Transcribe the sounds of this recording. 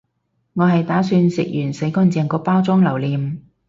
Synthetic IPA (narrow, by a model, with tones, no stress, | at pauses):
ŋɔː˨˧ɦɐ˨jt̪aː˨˥syː˧nsɪ̰˨k̚jyː˨˩nse˨˥jkɔː˥nt͡sɛː˨˧ŋkɔː˧paː˥wt͡sʊ˥ŋlɐ˨˩wliː˨m